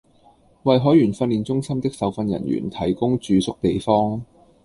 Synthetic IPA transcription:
wɐ˨jɦɔː˨˥jyː˨˩nfɐ˧nliː˨˩nt͡sʊ˥ŋsɐ˥mt̪ɪ˥k̚sɐ˨wfɐ˧njɐ̰˨˩njy̰ː˨˩nt̪ʰɐ˨˩jkʊ˥ŋt͡ʃyː˨˧sʊ˥k̚t̪e˨jfɔː˥ŋ

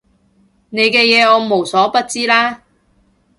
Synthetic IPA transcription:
ne˨˧jkɛː˧jɛː˨˧ɔː˨˧mo˨˩wsɔː˨˥pɐ˥t̚t͡siː˥laː˥

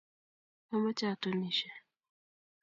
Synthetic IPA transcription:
ɔ˦mɔ˦t͡ʃa˦˨tɔ˦ni˨ʃɛ˨

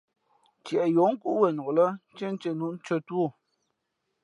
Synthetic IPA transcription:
t͡ʃjɛ˨ʔɛ˨jo˨˦ŋ̩˦ku˦ʔwə˨no˨lə˦t͡ʃe˦n̩˦t͡ʃe˦nu˨˦ʔn̩˦t͡ʃə˦two˦˨

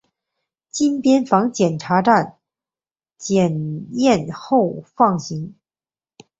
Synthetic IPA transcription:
t͡ɕi˥npjɛ˥nfɑ˧˥ŋt͡ɕjɛ˨˩nʈ͡ʂʰa˧˥ʈ͡ʂa˥˩n | t͡ɕjɛ˨˩njɛ˥˧nxo˥˧ʊfɑ˥˩ŋɕi˧˥ŋ

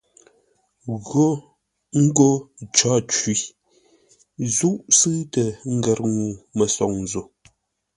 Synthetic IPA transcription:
ɣo˦ | ŋ̩˦ɡo˦t͡ʃɔ˦t͡ʃwi˨˦ | zu˦ʔsɨ˦tə˨ŋ̩˦ɡə˨ɾŋu˨mə˨sɔ˨ŋn˨zo˨

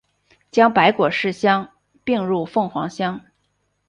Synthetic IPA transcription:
t͡ɕjɑ˥ŋpa˧˥ɪkwɔ˨˩ʂɻ̩˥˩ɕjɑ˥ŋ | pi˥˧ŋɻu˥˧fɤ˥˩ŋxwɑ̰˧˥ŋɕjɑ˥ŋ

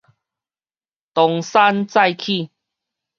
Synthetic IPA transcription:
t̪ɔ˨˩ŋsa˦nt͡sa˥˧jkʰi˥˧˨

